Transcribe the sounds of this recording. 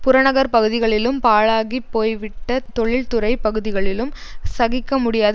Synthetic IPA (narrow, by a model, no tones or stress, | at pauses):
pʊɾɐnɐɣɐɾpɐɣɯðɪɣɐɭɪlɯmpaːɭaːɣipːoːjʋɪʈːɐt̪ɔɭɪlt̪ʊɾɐɪpɐɣɯðɪɣɐɭɪlɯmsɐɣɪkːɐmʊɽɪjaːð